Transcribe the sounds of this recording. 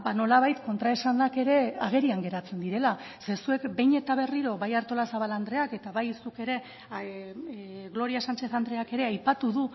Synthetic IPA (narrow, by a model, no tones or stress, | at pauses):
bano̞laβ̞ajt̪ko̞nt̪ɾaesanake̞ɾe̞aɣ̞e̞ɾiaŋɡe̞ɾat͡se̞nd̪iɾe̞lase̞sue̞kbe̞jɲe̞t̪aβ̞e̞riɾo̞βajaɾt̪o̞lasaβ̞aland̪ɾe̞ake̞t̪aβajsuke̞ɾe̞ | ɣlo̞ɾiasant͡ʃe̞θand̪ɾe̞ake̞ɾe̞ajpat̪uðu